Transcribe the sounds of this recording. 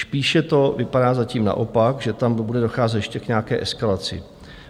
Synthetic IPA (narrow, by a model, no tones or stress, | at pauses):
spiːʃɛt̪o̞vɪpaɾaːzaciːmna̰ʔo̞pakʒɛt̪ambudɛdo̞xaːzɛt̪jɛʃcɛkɲɛakɛːʔɛskalat͡sɪ̰